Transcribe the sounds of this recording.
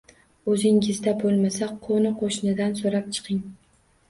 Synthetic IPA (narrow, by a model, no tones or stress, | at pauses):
ɵzɪŋɪzd̪abolˠmasaqʰonɪqʰoʃnɪd̪ansoɾap̚t͡ʃʰɨ̥qʰɪŋ